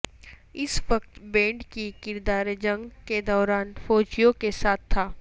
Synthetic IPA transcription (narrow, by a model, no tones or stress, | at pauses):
ɪsʋəkt̪bẽːɳɖkikɪɾd̪aːɾd͡ʒə̃ŋɡked̪ɔːɾaːnfoːd͡ʒijõkesaːt̪ʰːaː